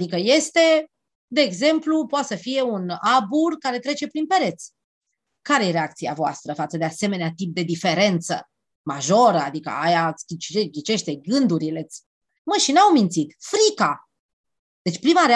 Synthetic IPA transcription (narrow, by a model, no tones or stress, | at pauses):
d̪ikəje̞st̪e̞ | d̪e̞ːɡze̞mplupoat̪səfije̞unaburkaɾe̞t̪ɾe̞t͡ʃe̞pɾinpe̞ɾe̞t̪sʲ | kaɾe̞je̞ɾe̞ak̚t̪sia̰voa̰st̪ɾəfat̪səd̪e̞ase̞me̞neat̪ip̚d̪e̞d̪ife̞ɾe̞nt̪sə̰ | maʒo̞ɾəa̰d̪ikə̰a̰jaskʲit͡ʃeɡʲit͡ʃe̞ʃt̪e̞ɡɨnd̪uɾile̞t̪sʲ | məʃinawmint̪sit̪fɾika | d̪̥e̞t͡ʃʲpɾimaɾe